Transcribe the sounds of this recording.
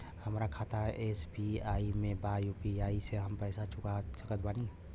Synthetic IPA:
həmɾakʰaːt̪ʰaʔesbiaimẽbajupiaːiseɦəmpɛɪsat͡ʃʰʊkasəkət̪̚ʰbani

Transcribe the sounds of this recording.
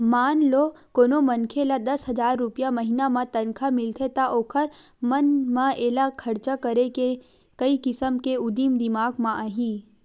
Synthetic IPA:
maːnlo | koːnomɐnkʰelad̪ɐsɦɐd͡ʒaːɾːʊpijamɐɦinamãt̪ɐnkʰamɪlt̪ʰet̪aʔoːkʰəɾ | mɐnmãeːlakʰɐɾt͡ʃakɐɾeke | kɐikɪsəmkeʊd̪iːmd̪ɪmaːɡmãʔaɦĩː

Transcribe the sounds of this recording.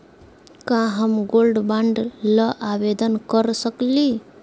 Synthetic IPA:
kãɦəmɡoːlɖbãɳɖlaʔaʋed̪ənkəɾsəkli

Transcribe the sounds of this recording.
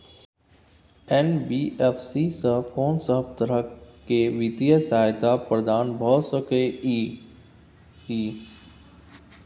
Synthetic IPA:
ɛnbiːʔɛfsisəɦəbkɔːnsəɦəb̚t̪əɾəkeʋit̪ijəsaːjt̪apɾəd̪aːnbʱɔːt̪səkei | iː

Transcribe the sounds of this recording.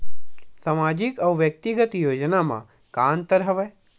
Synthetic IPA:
samad͡ʒikəʋʋjək̚t̪iɡət̪jod͡ʒnamã̰ | kant̪əɾɦəʋe

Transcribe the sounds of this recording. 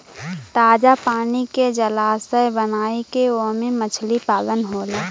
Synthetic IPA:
t̪aːd͡ʒapaːniked͡ʒəlaːsəbənaːikeomẽmət͡ʃʰlipaːlənɦoːleː

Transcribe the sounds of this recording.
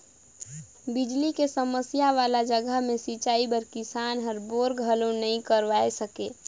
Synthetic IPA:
bid͡ʒlikesəməsijaʋaːlad͡ʒəɡəɦmẽsit͡ʃaːibəɾkɪsaːnɦəɾboːɾɡʱəlõnəĩkəɾʋaesəke

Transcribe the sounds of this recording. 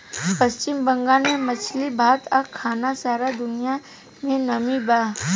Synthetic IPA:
pɐst͡ʃɪmbɐ̃ŋɡanemɐt͡ʃʰlibʱaːt̪ɐkʰːaːnasaːɾad̪ʊnija | mẽnɐmibaː

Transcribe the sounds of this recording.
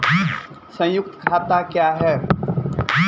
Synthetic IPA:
sə̃jʊk̚t̪kʰaːt̪akjaːɦɛː

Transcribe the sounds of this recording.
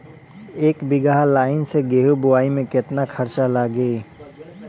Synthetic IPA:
eːkbɪɡaɦlaːɪnseɡeːɦubʊwaːimẽkɪt̪nakʰəɾt͡ʃalaɡeː

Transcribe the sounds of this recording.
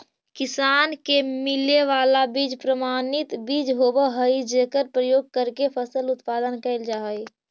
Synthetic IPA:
kɪsaːnkemɪleʋaːlabiːd͡ʒpɾəmaːnɪt̪biːd͡ʒɦobəɦəid͡ʒekəɾpɾəjoːɡ̚kəɾkepʰəsəlʊt̪paːd̪ənkəɪld͡ʒaːɦəj

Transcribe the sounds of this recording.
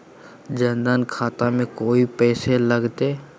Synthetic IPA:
d͡ʒənd̪ənkʰaːt̪amẽkoːipɛːseləɡt̪eː

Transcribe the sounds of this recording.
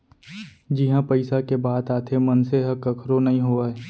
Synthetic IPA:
d͡ʒɪɦãpəɪsakebaːt̪aːt̪ʰemɐnseɦɐkɐkʰɾonɐɦĩɦoːaɛ

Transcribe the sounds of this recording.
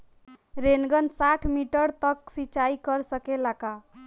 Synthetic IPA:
ɾenɡʌnsaʈʰmiʈəɾt̪ʌk̚sit͡ʃaikʌɾsʌkelaka

